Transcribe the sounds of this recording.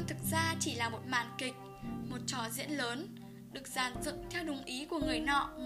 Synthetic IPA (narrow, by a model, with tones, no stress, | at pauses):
t̪ʰɨ˨˩k̚zaː˧t͡ɕi˧˩laː˨˩mo˨˩t̚ma̰ː˧˨nkï˨˩k̟̚ | mo˨˩t̚t͡ɕɔ˨˦zḭ˧˥ənləː˨˦n | ɗɨ˨˩ək̚z̥aː˧˩nzɨ̰˧˨ŋt̪ʰɛ˧wɗʊ˨˩wŋ͡mʔi˨˦ku˧˩əŋɨ˨˩əjnɔ̰˧˨